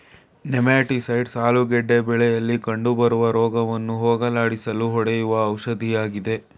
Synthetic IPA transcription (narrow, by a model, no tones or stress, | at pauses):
nɛmaːʈisɐjɖsaːluɡɛɖːebɛɭɛjɐlːikɐɳɖubɐɾuʋɐɾɔːɡɐʋɐnːuɦoːɡɐlaːɽisɐluɦɔɽɛjuʋɐːwʃɐd̪ʱijaːɡid̪e̞